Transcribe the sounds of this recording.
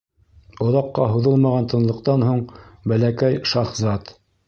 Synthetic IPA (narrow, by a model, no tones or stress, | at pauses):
ŏðɑqːɑɦuðɤlˠmɑʁɑnt̪ɤ̆nlˠɤ̆qt̪ɑnhuɴbælækæjʃɑχzɑt̪